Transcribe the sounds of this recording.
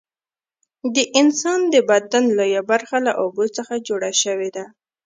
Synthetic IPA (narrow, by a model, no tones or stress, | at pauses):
d̪əʔɪnsɑnd̪əbad̪anlojabaɾxalaʔobot͡səxad͡ʒoɽaʃəwed̪a